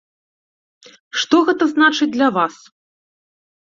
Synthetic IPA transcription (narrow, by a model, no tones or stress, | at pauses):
ʂt̪ɔɣɛt̪ɐznat͡ʂɨd͡zʲd̪lʲɐvas